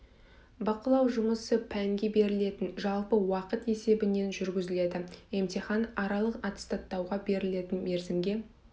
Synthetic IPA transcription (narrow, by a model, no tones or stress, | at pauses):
bɑqəlˠɑwʒʊməsəpʰæŋɡʲe̞be̞ɾɪle̞t̪ɪnʒɑlˠpəwɑqət̪e̞se̞bɪne̞nʒʏɾɡʲɪzɪle̞d̪ɪe̞mt̪ʲiχɑnɑɾɑlˠəqɑt̪ə̥st̪ɑt̪ːɑwʁɑbe̞ɾɪle̞t̪ɪnme̞ɾzɪmɡʲe̞